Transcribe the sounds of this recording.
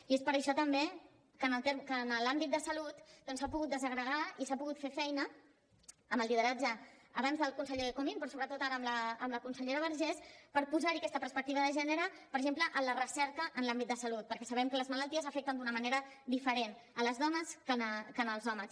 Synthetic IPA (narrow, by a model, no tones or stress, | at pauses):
iespəɾəʃɔt̪əmbe | kənəlt̪eɾkənəlambit̪̚d̪əsəlut̪d̪ɔnsapuɣut̪̚d̪əzəɣɾəɣ̞aisapuɣut̪fefɛjnəː | məlˠlið̞əɾad͡ʒəːβanzðəlˠkunsəʎekomimpɾɔsoβɾət̪ot̪aɾəːmləːmləkunsəʎeɾəβəɾʒɛspəɾpuzaɾiəkɛst̪əpəɾspək̚t̪iβəðəʒɛnəɾəpəɾʒempləʔənlərəsɛɾkəʔənlambit̪̚d̪əsəlut̪̚pəɾkɛsəβ̞ɛmkələzmələlˠt̪iəzəfɛk̚t̪ənd̪unəməneɾə | d̪ifəɾen | ələzðɔnəskənəkənəlˠzɔməs